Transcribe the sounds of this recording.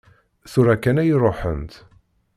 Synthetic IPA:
θuɾækːænæjɾˤoħə̰nt̪

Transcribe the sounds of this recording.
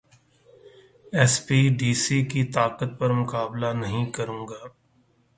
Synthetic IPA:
ɛspiːɖiːsikit̪aːqət̪̚pɐɾmʊkaːblanɐɦĩkɐɾũːŋɡaː

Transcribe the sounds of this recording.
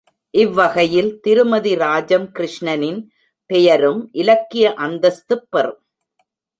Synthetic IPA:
ʔɪʋːɐɣɐjɪlt̪ɪɾɯmɐðiɾaːd͡ʒɐmkɪɾɪʂɳɐnɪn | pɛjɐɾɯmʔɪlɐkːɪjɐʔɐnd̪ɐst̪ɯpːɐrɯm

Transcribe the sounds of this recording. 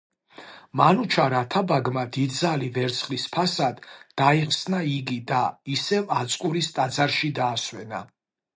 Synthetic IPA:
manut͡ʃʰaɾat̪ʰabaɡmad̪id̪zalivɛɾt̪sʰχlispʰasad̪ːaiχsnaiɡid̪aisɛvat̪sʼkʼuɾist̪ʼad̪zaɾʃid̪aːswɛna̰

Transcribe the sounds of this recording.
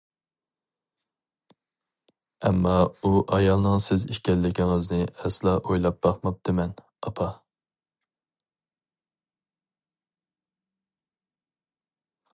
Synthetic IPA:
ɛmːɑuʔɑjɑlˠnɨŋsɪziʃkʲɛlːɪkʲiŋɪznɪɛslˠɑʔojlˠɑp̚bɑχmɑp̚d̪̥ɪmɛn | ɑpʰɑ

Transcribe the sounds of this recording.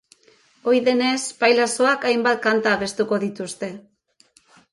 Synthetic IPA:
o̞jðe̞ne̞spajlaso̞akajmbat̪̚kant̪aːβe̞st̪uko̞ðit̪ust̪e̞

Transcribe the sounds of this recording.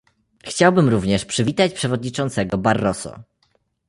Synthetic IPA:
xt͡ɕawbɘmɾuvɲɛʂpʂɘvʲit̪at͡ɕpʂɛvɔd̪ɲit͡ʂɔnt̪sɛɡɔbaɾːɔsɔ̰

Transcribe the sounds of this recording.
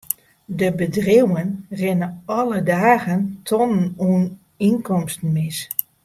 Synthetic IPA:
dəbədrewənrɪnəɔlədaːɣəntʰɔnənuːn | inkɔmstn̩mɪs

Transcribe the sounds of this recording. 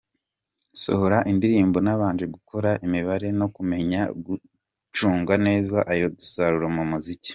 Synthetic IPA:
so̰ho̞ɾaʔindiɾiːmbo̞naβaːɲd͡ʒeɡukʰo̞ɾaʔimiβaɾe̞no̞kume̞ɲaɡu | t͡ʃuːŋɡane̞ːzaʔajo̞disaɾuɾomumuzici̥

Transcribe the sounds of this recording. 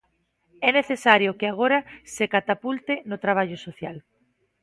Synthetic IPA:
ɛneθesaɾjokɪaɣ̞oɾɐsekat̪apult̪ɪnʊt̪ɾaβ̞aʎʊsoθjal

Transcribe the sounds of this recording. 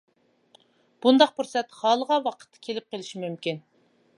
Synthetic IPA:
b̥und̪ɑq̚puɾsɛt̪hɑːlˠəʁɑwɑqʰə̥t̪ʰːɑ̥kʲʰelɪp̚qelɪʃimymkʲin

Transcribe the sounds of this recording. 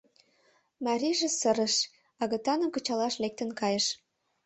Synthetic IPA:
mɑɾʲiʒĕsəɾə̆ʃ | ɑɣə̆t̪ɑnə̆mkə̆t͡ɕɑlɑʃlek̚t̪ə̆nkɑjə̆ʃ

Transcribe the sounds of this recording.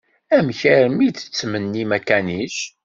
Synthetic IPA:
æmçəɾmit͡sːə̥t͡sːmənːimækæniʃ

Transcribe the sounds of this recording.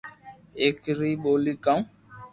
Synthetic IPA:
ekɾiɓolikãw̃

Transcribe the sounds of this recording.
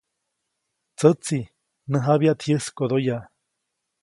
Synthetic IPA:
t͡sət͡si | nəɦaβjaʔt̪ʰijɨskoðoja

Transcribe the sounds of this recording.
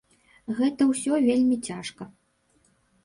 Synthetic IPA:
ɣɛt̪ɐwsʲɔvʲelʲmʲit͡sʲaʂkɐ

